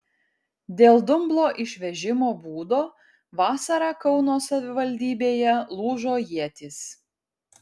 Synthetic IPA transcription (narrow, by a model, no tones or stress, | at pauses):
d̪ʲeːlˠd̪ʊmblˠoːʔɪʃʲʋʲɛʒʲɪmoːbuːd̪oː | ʋɑːsɐɾɑːkɒʊnoːsɐʋʲɪʋɐlʲd̪ʲiːbʲeːjɛlˠuːʒoːjiɛt̪ʲɪs